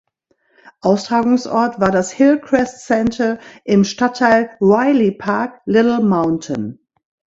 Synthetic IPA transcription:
ʔaʊstʁ̥aːɡʊŋsʔɔ̰ɐtv̥aːɐdashɪlkʰʁ̥ɛstt͡sɛntʰɐʔɪmʃtatʰːaɪlwaɪlipʰaɐklɪtl̩maʊntʰə̰n

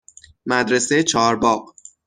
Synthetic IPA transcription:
mæd̪ɾeset͡ʃʰɒːɾbɒːɢ

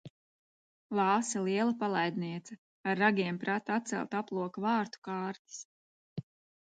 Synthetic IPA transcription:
lˠɑːsɛlˠiɛlˠɐpalˠajd̪niɛt̪sɐ | aɾːaɡʲiɛmpɾat̪at̪t̪sɛ̰lˠt̪aplˠuɔkvɑːɾt̪u̥kɑːɾt̪i̥s

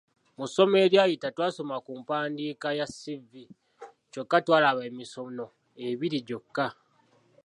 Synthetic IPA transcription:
muso̞me̞ːɾjaːjitatwaːso̞makuːmpaːndiːkajasivːi | co̞kːatwaːlaβeːmiso̞no̞ | e̞βiɾiɟo̞kːa

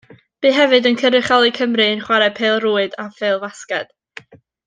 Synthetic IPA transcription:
b̥iːɦɛvɨdənkʰəɾɨχalˠɨkʰəmrɨnχwaɾɛ̥pʰeːlˠruːɨdafeːlˠvaskɛd̥

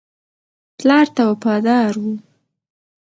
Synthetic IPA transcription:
tlɑɾt̪awafɑd̪ɑɾwu

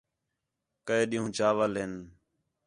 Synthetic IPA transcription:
kəeːɗiːɦũːd͡ʒaːʋəlɦɪn

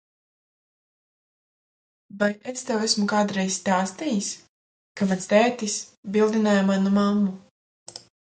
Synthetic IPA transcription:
bajʔest̪ɛwæsmukaːd̪ɾɛjzst̪aːst̪ijis | kamanst̪ɛːt̪isbilˠd̪inaːjamanumamːu

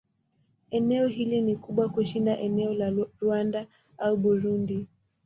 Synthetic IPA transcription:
ɛnɛɔɦilinikuɓwakuʃindaʔɛnɛɔlaɾuanda | auɓuɾundi

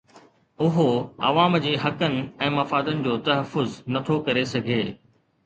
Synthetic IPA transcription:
ʊɦoɐ̰ʋaːmd͡ʑeːɦɐkənɪ̆ɛ̃ːmɐfaːd̪ənɪ̆d͡ʑoːt̪ɐɦəfːʊznɐt̪ʰokɐɾesɐɡʱeː

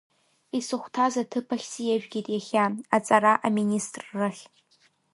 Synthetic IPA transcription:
isɨχʷtʰazatʰɨpʰaχʲsijaʒᶣɡʲitʼjaχʲaat͡sʼaɾaʔaministʼrːɨχʲ

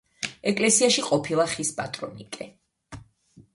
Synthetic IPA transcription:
ɛkʼlɛsiaʃiqʼɔpʰilˠaχispʼa̰t̪ʼɾɔnḭkʼɛ

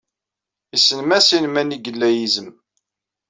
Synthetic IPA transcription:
isːənmæsinmæniɡəlːæjizəm

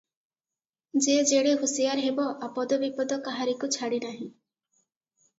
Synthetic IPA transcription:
d͡ʒed͡ʒeɽeɦusijaɾɦebɔʔapɔd̪ɔbipɔd̪ɔkaɦaɾikut͡ʃʰaɽinaɦĩ

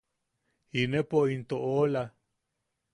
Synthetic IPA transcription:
hinepoint̪oʔola

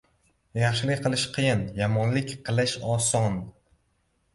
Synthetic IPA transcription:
jɑχʃɪlɪqʰɨlˠɪʃqʰɨjɪnjamɒnlɪkʲqʰɨlˠɪʃɒsɒn

